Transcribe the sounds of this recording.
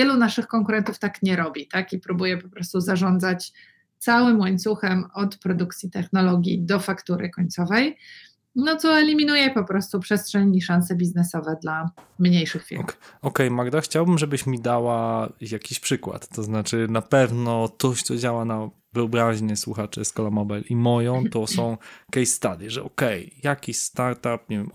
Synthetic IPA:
vjɛlunaʂɘxkɔŋkuɾɛnt̪uft̪akɲɛɾɔbʲit̪akipɾubujɛpɔpɾɔst̪uzaʐɔnd̪zat͡ɕ | t̪sawɘmwaɲʲt̪suxɛmɔt̪pɾɔd̪uk̚t̪sʲjit̪ɛxnɔlɔɡʲjid̪ɔfakt̪uɾɘkɔɲʲt̪sɔvɛj | nɔt̪sɔɛlʲimʲinujɛpɔpɾɔst̪upʂɛstʂɛɲiʂansɛbʲiznɛsɔvɛd̪lamɲejʂɨxfʲḭɔkɛjmaɡd̪axt͡ɕawbɘmʐɛbɘɕmʲid̪awajakʲiɕpʂɘkwa̰t̪ːɔznat͡ʂɘnapɛvnɔt̪ɔɕt̪sɔd͡ʑawana | vɘɔbɾaʑɲɛswuxat͡ʂɛskɔlamɔbɛlimɔjɔ̃w̃t̪ɔsɔ̃w̃kɛjst̪ad̪jɛʐɛʔɔkɛjjakʲiɕst̪aɾt̪apɲɛvʲɛm

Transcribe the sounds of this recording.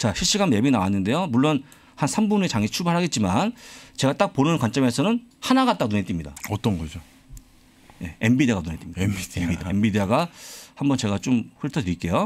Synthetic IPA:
t͡ɕaɕʰiɭɕ͈iɡanme̞binawanːɯnde̞jomuɭːon | hansʰambune̞t͡ɕaŋit͡ɕʰubaɭɦaɡe̞t̚t͡ɕ͈imant͡ɕe̞ɡat͈ak̚ponɯnkwant͡ɕ͈ʌme̞sʰʌnɯnhanaɡat͈anunet͈imɲida̰ʌt͈ʌnɡʌd͡ʑo | je̞embideɣanunet͈imɲidiiaembideaɡahambʌnt͡ɕe̞ɡat͡ɕ͈omɸɯɭtʰʌdeik͈e̞jo

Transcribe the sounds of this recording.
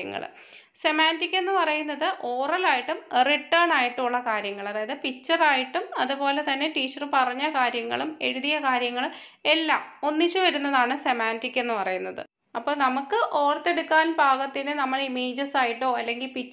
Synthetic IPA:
ɐ̰ŋːɐ̰ɭ̰ | se̞maːndikʲːe̞nːɨpɐrɐjunːɐðɨʔo̞ːrɐlaːjiʈːumriʈːɐːɳaːjiʈːumuɭːɐkaːɾjɐŋːɐɭɐðaːjɐðɨpit͡ɕːɐraːjiʈːumɐðupo̞ːle̞t̪ɐnːe̞ʈiːt͡ɕːɐrpɐrɐɲːɐkaːɾjɐŋːɐ̰ɭume̞ɻuðijɐkaːɾjɐŋːɐɭum | e̞lːaːmo̞nːit͡ɕːɨʋɐɾunːɐðaːɳɨse̞maːndikːe̞nːɨpɐrɐjunːɐðɨ̰ | ɐpːo̞ːnɐmukːɨʔo̞ːrt̪ːe̞ɽukːaːnbʱaːɣɐt̪ːinɨnɐmːɐɭimeːd͡ʑɐsaːjiʈːo̞ːɐlːe̞ŋɡilpit͡ɕː

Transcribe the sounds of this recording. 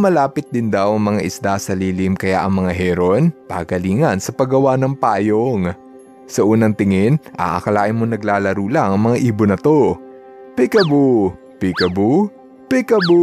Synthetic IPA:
mɐlaːpɪt̪̚d̪ɪnd̪awʔɐŋmɐŋaʔɪsd̪asɐliːlɪmkɐja̰ʔɐŋmɐŋaɦɛɾonpa̰ːkɐliːŋɐnsɐpɐɡɐwanɐŋpaːjoŋ | sɐʔuːnɐŋt̪ɪŋɪnʔa̰ʔɐ̰kɐlaːʔɪnmonɐɡlaːlɐɾuːlaŋɐŋmɐŋaʔiːbonɐt̪o̞ | pɪkɐbu | pɪkɐbu | pɪkɐbu

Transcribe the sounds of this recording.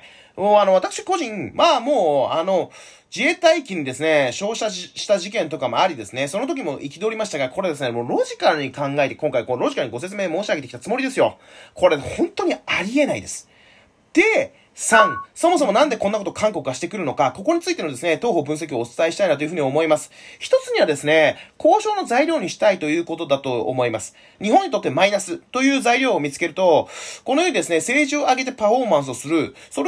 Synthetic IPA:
oːano̞β̞at̪akɯ̥ɕi̥ko̞ʑĩŋmamo̞ːano̞ | d͡ʑiet̪aikʲiɲ̟id̪e̞sɨne̞ɕo̞ːɕaɕi̥t̪aʑik̬ẽ̞nt̪o̞kamo̞aɾʲid̪e̞sɨne̞so̞no̞t̪ok̬ʲimo̞ʔikʲid̪o̞ːɾʲimaɕi̥t̪aɡako̞ɾed̪e̞s̬ɨnemoɾo̞ʑikaɲ̟ːikãŋɡaet̪e̞kõ̞ŋkaiko̞ɾo̞ʑikaɲ̟iɡo̞se̞t͡sɨme̞ːmo̞ːɕiaɡet̪ekʲi̥t̪at͡sɨmo̞ɾʲid̪e̞sɨjo̞ | kʰo̞ɾehõ̞nt̪o̞ɲ̟iaɾʲie̞naid̪e̞sɨ̥ | d̪̥e̞ | sãŋso̞mo̞s̬o̞mo̞nãnd̪e̞kõ̞nːako̞t̪okʰãŋko̞kɯɡaɕi̥t̪e̞kɯ̟ɾɯ̟no̞kako̞ko̞ɲ̟it͡sɨit̪e̞no̞d̪e̞sɨne̞t̪oːɦo̞bɯ̃ɰ̃s̬e̞k̬ʲioːt͡sɨ̥t̪aiɕi̥t̪ainat̪oi̟ɯ̟ɲiomo̞imasɨ̥çi̥t̪o̞t͡sɨɲ̟iβad̪e̞sɨne̞ko̞ːɕo̞ːno̞zaiɾʲo̞ːɲ̟iɕi̥t̪ait̪o̞jɯ̟ːko̞t̪o̞d̪at̪o̞̰ːmo̞imasɨ̥ | ɲ̟iɦõ̞ɲ̟ːit̪o̞t̪ːemainasɨt̪o̞jɯ̟ːzaiɾʲoːmʲit͡sɨ̥ke̞ɾɯ̟t̪o̞ko̞nojoːid̪e̞sɨne̞se̞ːʑɨoaɡe̞t̪e̞paɸo̞ːmãɰ̃s̬ɨosɨɾɯ̟soɾ

